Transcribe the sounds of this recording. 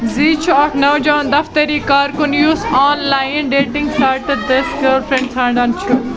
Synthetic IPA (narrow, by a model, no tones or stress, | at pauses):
ziːt͡ʃʰuɐknɐwd͡ʒãːnd̪ɐft̪ɐɾiːkaːɾkʊnjuːsaːnlaːjnɖeːʈɪ̃ŋɡsʈaːɾʈɐd̪ɐskoːɾpʰɾẽɳɖsʰãːɳɖaːnt͡ʃʰu